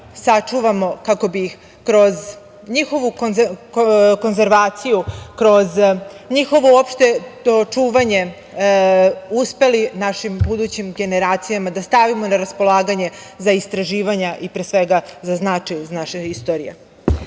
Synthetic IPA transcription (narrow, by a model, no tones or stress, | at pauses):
sat͡ʃuʋamo̞kako̞biix | kɾo̞z | ɲixo̞ʋukn | ko̞nzeɾʋaːt̪sijukɾo̞z | ɲixo̞ʋoopʃt̪e̞ot͡ʃuːʋaɲe̞ | uspe̞linaʃimbud̪ut͡ɕimɡe̞ne̞ɾaːt̪sijamad̪ast̪aʋimo̞naɾaspo̞lˠaːɡaɲe̞ | zaist̪ɾaʒiːʋaɲaʔipɾesʋe̞ɡazaznat͡ʃajuznaʃeist̪o̞ɾḭjḛ